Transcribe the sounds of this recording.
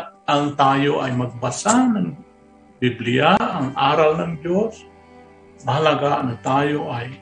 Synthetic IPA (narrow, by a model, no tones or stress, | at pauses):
t̪̚ʔaŋt̪aːjoʔajmaɡ̚basanaŋ | biblɪjaʔːŋʔaːɾalnaŋd͡ʒos | mɐhalaɡanat̪aːjoʔaj